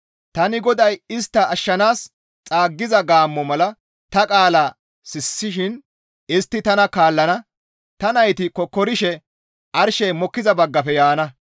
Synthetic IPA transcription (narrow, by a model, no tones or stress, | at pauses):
t̪ɐnɪɡɔd̪ɐjɪst̪ːɐːʃːɐnaːs | t͡sʼaːɡːɪzɐɡaːmːɔmɐlɐ | t̪ɐkʼaːlaː | sɪsːɪʃɪn | ɪst̪ːɪt̪ɐnɐkaːlːɐnɐ | t̪ɐnɐjt̪ɪkɔkːɔɾɪʃɛ | ʔɐɾʃɛjmɔkːɪzɐbɐɡːɐfɛjaːnɐ